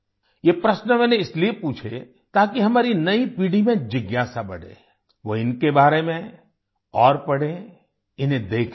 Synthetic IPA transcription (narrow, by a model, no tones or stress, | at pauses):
jepɾɐʃnəmɛ̃ːnẽɪsliepuːt͡ʃʰḛ | t̪aːkiɦɐmaːɾinɐipiːɽimẽd͡ʒɪɡjaːsabɐ̰ɽ̤ḛ̃ | ʋoɪnkebaːɾemẽ | ɔːɾpɐɽ̤ẽ | ɪnẽd̪eːkʰ